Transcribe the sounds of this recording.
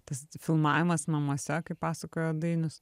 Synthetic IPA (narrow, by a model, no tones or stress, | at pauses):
t̪ɐsfʲɪlˠmɑːʋʲɪmɐsnɐmuɔsʲɛkɐɪppɑːsɐkoːjoːd̪ɐɪnʲʊs